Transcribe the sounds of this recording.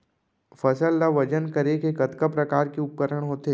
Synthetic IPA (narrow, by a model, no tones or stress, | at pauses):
fɐsəlːaʋɐd͡ʒənkəɾekekɐt̪kəpɾɐkaːɾkeʊp̚kəɾəɽ̃ɦoːt̪e